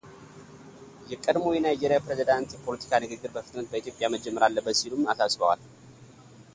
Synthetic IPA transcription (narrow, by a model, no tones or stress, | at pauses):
jɛkʼəd̪mo̞jɛnajd͡ʒeɾjapɾezid̪ant̪jɛpʰo̞lət̪ʰi̥kʰanɨɡɨɡːɨɾbəfɨt̪nət̪̚bəit̪jopʼjaməd͡ʒɛmːəɾalːəbːət̪silumasasbəwa̰l